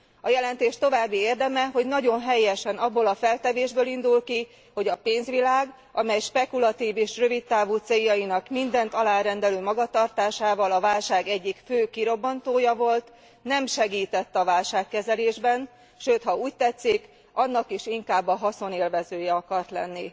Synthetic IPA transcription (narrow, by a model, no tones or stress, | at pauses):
ɒjɛlɛnt̪eːʃt̪o̞vaːbːieːrd̪ɛmɛɦo̞ɟnɒɟo̞nɦɛjɛʃɛnɒbːoːlɒfɛlt̪ɛveːʒbøːlind̪ulki | ho̞ɟɒpeːnzʋilaːɡ | ʔɒmɛjʃpɛkulɒt̪iːveːʃrø̞vit̪̚t̪ːaːvuːt̪seːjːɒinɒkmind̪ɛnt̪ɒlaːɾɛnd̪ɛløːmɒɡɒt̪ɒrt̪aːʃaːvɒlɒvaːlʃaːɡɛɟːikføːkiɾo̞bːɒnt̪oːjɒvo̞lt̪ | nɛmʃɛɡiːt̪ɛt̪ːɒvaːlʃaːkːɛzɛleːʒbɛn | ʃøːt̪hɒuːc̚t̪ɛt̪sik | ɒnːɒkiʃiŋkaːbːɒɦɒso̞neːlvɛzøːjɛɒkɒrt̪lɛ̰nːi